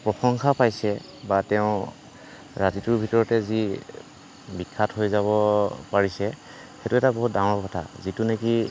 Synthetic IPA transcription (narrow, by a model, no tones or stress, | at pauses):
pɹɔxɔŋkapajsɛ | batɛʊ̃ | ɹatitʊɹbʱitɔɹɔtɛzi | bikʰːatɦojzaβɔpaɹisɛ | xetuɛtabɔɦut̚daŋɔɹkɔtʰa̰zituneki